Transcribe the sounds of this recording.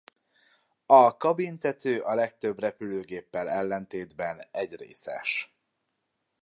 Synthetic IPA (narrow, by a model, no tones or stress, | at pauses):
ɒkɒbint̪ɛt̪øːʔɒlɛk̚t̪ø̞brɛpyløːɡeːpːɛlɛlːɛnt̪eːd̪bɛnɛɟrḛːsɛ̰ʃ